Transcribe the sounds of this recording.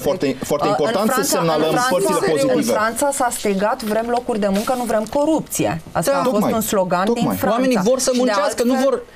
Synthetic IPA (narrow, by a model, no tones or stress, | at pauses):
faɾt̪eifoaɾeipoɨnanfɾassemnaləmanpəsileoiɨnivɾant̪sasast̪eɡat̪vɾe̞mlo̞kurʲd̪e̞muŋkənuvɾe̞mko̞ɾup̚t̪sije̞̰a̰st̪aaofo̞st̪unslo̞ɡand̪ifɾaanme̞nivo̞rsəmunaskənuvor